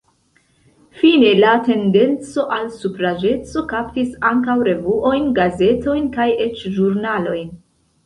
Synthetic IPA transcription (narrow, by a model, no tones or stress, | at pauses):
fine̞late̞nde̞nt͡so̞ʔalsupɾad͡ʒe̞t͡so̞kaptisaŋkawɾe̞vuʔo̞jnɡaze̞to̞jnkaje̞t͡ʃʒuɾnalo̞jn